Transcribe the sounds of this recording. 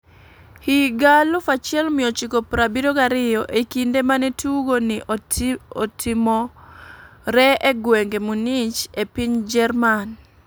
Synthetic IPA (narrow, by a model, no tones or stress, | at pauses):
hiɡalʊfat͡ʃɪɛlmɪjɔt͡ʃikopɾabidoɡaɾɪjɔʔekindemanetuɡonɪ | otɪmɔ | ɾɛeɡweŋɡemunit͡ʃepiɲd͡ʒɛrman